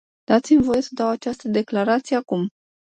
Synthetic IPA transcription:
d̪̥at̪simvo̞je̞səd̪awat͡ʃast̪əd̪e̞klaɾat̪sijeakum

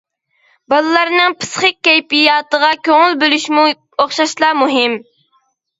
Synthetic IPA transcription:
bɑlˠlˠɑɾnɨŋpʰɨ̥sχək̚ʲːɛjpijɑːt̪əʁɑkʲøŋɪlbølyʃmu | oχʃɑʃlˠɑːmuɦɪm

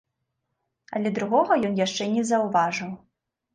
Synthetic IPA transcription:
ɐ̰lʲɛd̪ɾuɣɔɣɐjɔnjaʂt͡ʂɛnʲɛzɐwvaʐɨw

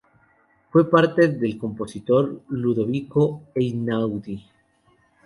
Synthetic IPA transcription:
fwe̞paɾt̪eðe̞lko̞mpo̞sit̪o̞ɾluðoβikoejnawd̪i

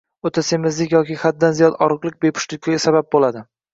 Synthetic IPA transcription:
ot̪ʰasemɪzlɪkʲjɒkʲiχad̪̚ːanzijɒd̪ɒɾɨqlˠɪk̚ʲbepʰʊ̥ʃlɪk̚ʲːaɡʲasabap̚bolad̪ɪ

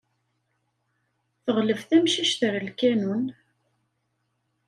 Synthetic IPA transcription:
θəʁləvθæmʃiʃθəɾlkænun

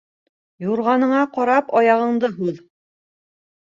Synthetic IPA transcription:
juɾʁɑnɤ̆ɴɑqɑɾɑpɑjɑʁɤ̆ɴd̪ɤɦʉð

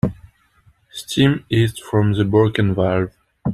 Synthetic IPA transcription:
stʰĩmizfɹɔ̃mðəbɔlkɨ̃nvaɹv

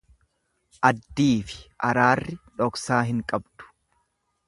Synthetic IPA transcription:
ʔɐd̪ːiːfɪ̥ʔɐɾaːrːɪᶑɔksaːɦɪŋkʼɐbd̪̥ʊ̥

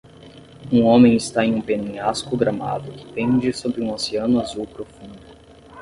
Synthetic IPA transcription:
ũõmẽj̃ɪst̪aẽj̃ũpenẽɲaskʊɡɾama̰d̪ʊkɪ̥p̪ẽd͡ʒɪsobɾɪũoseɐ̃nʊazuwpɾofũnd̪ʊ

